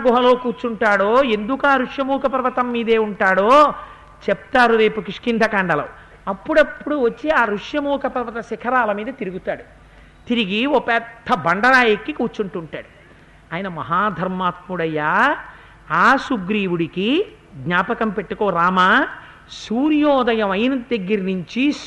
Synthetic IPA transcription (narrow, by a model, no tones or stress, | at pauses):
ɡɔɦɐlo̞ːkuːɾt͡ʃuɳʈaːɽoːend̪ukuaːɾuʂjɐmuːkɐpɐɾʋɐt̪ɐmːiːd̪e̞ːuɳʈaːɽoː | t͡ʃep̚t̪aːɾuɾe̞ːpukiʂkind̪ʱɐkaːɳɖɐlɐw | ɐpːuɽɐpːuɽuʋɐt͡ʃːiaːɾuʂjɐmuːkɐpɐɾʋɐt̪ɐsikʰɐɾaːlɐmiːd̪ɐt̪iɾuɡut̪aːɽu | t̪iɾiɡiɔpɛːd̪ʰːɐbɐɳɖɐɾaːjɐkːikuːɾt͡ʃuɳʈuɳʈaːɽu | aːjinɐmɐɦaːd̪ʱɐɾmaːt̪̚muɽɐjaː | aːsuɡɾiːwuɽiki | ɡ̪ɲaːpɐkɐmpe̞ʈːukoːɾaːma | suːɾjɔːd̪ɐjɐmɐjnɐd̪ɐɡːiɾinuɲt͡ʃi